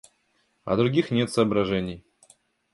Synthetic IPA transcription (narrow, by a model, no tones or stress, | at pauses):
ɐ̰d̪ɾʊɡʲixnʲe̞t̪səːbɾɐʐɛnʲɪj